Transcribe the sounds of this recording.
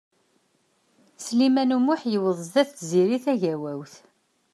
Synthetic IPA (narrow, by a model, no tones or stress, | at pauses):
slimænumʊħjəwəðˤðæθziɾiθæʝæwæwθ